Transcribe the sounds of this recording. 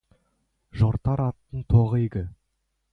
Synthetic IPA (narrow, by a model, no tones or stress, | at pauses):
ʒoɾt̪ɑɾɑt̪ːəɴt̪ʰoʁəjɡʲɪ